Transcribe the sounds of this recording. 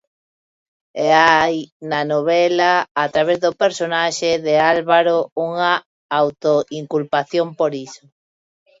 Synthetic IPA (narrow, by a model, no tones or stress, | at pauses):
eajnanoβ̞ɛlaːt̪ɾaβ̞ezðopeɾsonaʃeðealβaɾouŋa | awt̪oʔiŋkulpaθjompoɾiso̥